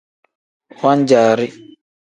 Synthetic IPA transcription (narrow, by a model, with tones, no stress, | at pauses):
wa˦n˦d͡ʒaː˨ɾɪ˦